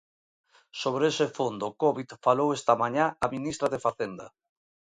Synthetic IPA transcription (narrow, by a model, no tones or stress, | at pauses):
soβ̞ɾesefond̪okɔβit̪falowest̪amãɲaamĩnist̪ɾaðefaθend̪a̰